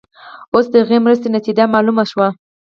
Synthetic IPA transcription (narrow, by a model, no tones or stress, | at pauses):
osd̪əhaɣemɾəst̪enat̪id͡ʒamɑlumaʃwa